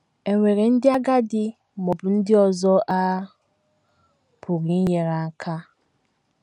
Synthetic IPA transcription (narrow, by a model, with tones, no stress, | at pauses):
e˨ŋʷe˨ɾe˨n̩˦dɪ˦a˦ɡa˦dɪ˦ | mɔ˨bʊ˨n̩˦dɪ˦ɔ˨zɔ˦ʔa˦ | pʰu˨ɾi˨˦je˨ɾa˨˦˨kʰa˦